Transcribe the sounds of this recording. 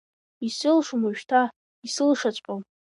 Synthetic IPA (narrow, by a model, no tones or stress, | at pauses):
isɨlʂmʊʒᶣtʰa | isɨlʂat͡ɕʷʼqʼam